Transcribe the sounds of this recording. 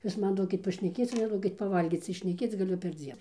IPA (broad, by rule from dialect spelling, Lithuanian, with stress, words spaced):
ˈjuːs ˈmɐn ˈduɔkʲɪt pɐʃʲnʲɛˈkʲeːt͡s oː nʲɛˈduɔkʲɪt pɐˈʋɐlʲɡʲiːt͡s tɐɪ ʃʲnʲɛˈkʲeːt͡s ɡɐˈlʲʊ pʲɛrʲˈd͡zʲiɛn